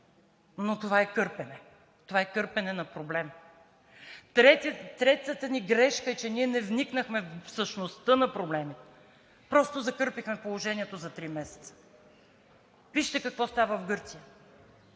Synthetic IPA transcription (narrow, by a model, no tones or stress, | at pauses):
not̪ovaɛkɤɾpɛnɛ | t̪ovaɛkɤɾpɛnɛnɐpɾoblɛm | ɾɛt̪ɾɛt̪ət̪əniɡɾɛʃkəɛt͡ʃɛniɛnɛvniknəxmɛfsəʃnost̪ɤnɐpɾoblɛmit̪ɛ | pɾɔst̪ozɐkɤɾpixmɛpolˠoʒɛniɛt̪ozɐt̪ɾimɛsɛ̥t̪sə̥ | viʃt̪ɛkɐkvɔst̪avəvɡɤɾt̪sijə